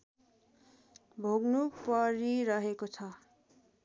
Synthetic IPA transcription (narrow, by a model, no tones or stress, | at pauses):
bʱoɡnupʌɾiɾʌɦekot͡sʰʌ